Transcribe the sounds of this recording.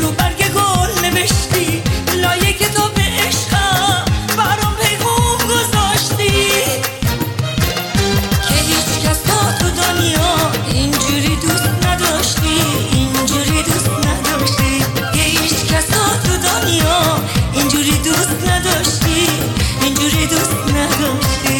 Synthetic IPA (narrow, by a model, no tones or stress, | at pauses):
lubæɾɡeɡɔɾneveʃt̪ilɔːjekʲʰet̪ʰɒːbeʔeʃqæbæɾɔpʰejʁɔmɡozɔʃt̪i | kʲʰeɦiːt͡ʃkʲæsɔt̪ʰud̪ɔnijɔind͡ʒuɾid̪ust̪nad̪ɔʃt̪iind͡ʒuɾid̪ust̪nad̪ɔʃt̪i | kehit͡ʃkʲʰasɔt̪ʰud̪ɔnijɔind͡ʒuɾid̪ust̪nad̪ɔʃt̪i | ind͡ʒuɾid̪ust̪nad̪ɔʃt̪i